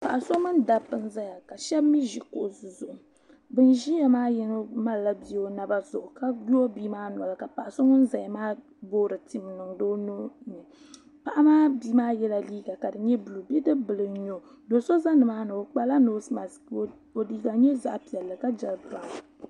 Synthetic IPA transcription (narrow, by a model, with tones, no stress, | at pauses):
pa˨ʔa˨so˦mɨ˦nda˨pːɨ˨n̩˦za˦ja˨ka˨ʃɛ˦bmi˦ʒi˨ko˨ʔzɨ˨zʊ˨ʊ˨ | bɨ˦n˦ʒi˦ja˨maː˦jɛ˦nɨ˦ma˦lla˦bi˦o˦na˨ba˦zʊ˨ʔʊ˨ka˦ɡu˦o˦biː˦maː˦na˨lɨ˨ka˨pa˨ʔa˨so˦ŋɨ˦n˦za˨ja˨maː˦ | boː˦ɾɨ˨ti˨m˨nɨ˨ŋdoː˦no˦ɲɛ˨ | pa˨ʔa˦maː˦bi˦maː˦jɛ˦la˦liː˦ɡa˨ka˨dɨ˨ɲɛ˦blu˨bi˦dɨ˦bɨ˨lɨ˨ɲo˨ | do˨so˦za˦nɨ˨maː˦nɨ˨o˨k͡pa˦la˦no˦sma˨s | o˨liː˦ɡa˨ɲɛ˦za˦ʔpi˨ɛ˨lːɨ˨ka˦d͡ʒɛ˨lpa˨